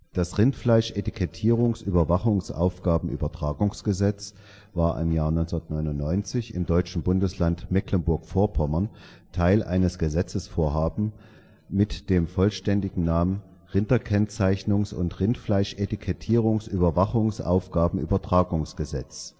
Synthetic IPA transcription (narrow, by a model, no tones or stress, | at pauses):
d̥asʁɪntflaɪʃʔetikʰɛtʰiːʁ̞ʊŋsʔyːbɐvaχʊŋsʔa̰ʊfɡ̥aːbm̩ʔy̰ːbɐtʁ̥aːɡʊŋsɡ̥əzɛt͡s | vaːɐʔɪ̰mjaːɐnɔʏnt͡sndɐtnɔʏnʊntnːɔʏnt͡sɪçɪmdɔʏt͡ʃn̩bʊndəslantmɛklənbʊɐkfoːɐpʰɔmɐntʰaɪlʔa̰ɪnəsɡ̥əzɛt͡səsfoːɐɦaːbm̩ | mɪtd̥eːmfɔlʃtɛndɪɡŋ̩naːmən | ʁɪntɐkʰɛnt͡saɪçnʊŋsʊ̰ntʁɪntflaɪʃʔetikʰɛtʰiːʁʊŋsʔyːbɐvaχʊŋsʔa̰ʊfɡ̥aːbm̩ʔy̰ːbɐtʁ̥aːɡʊŋsɡ̥əzɛt͡s